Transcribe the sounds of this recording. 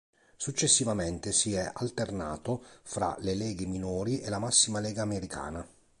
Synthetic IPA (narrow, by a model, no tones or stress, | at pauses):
sut͡ʃːesːivament̪esiɛʔa̰lt̪ernaːt̪ofɾa̰lelɛːɡeminɔːɾiʔelːamasːimalɛːɡaːmeɾikʰa̰ːna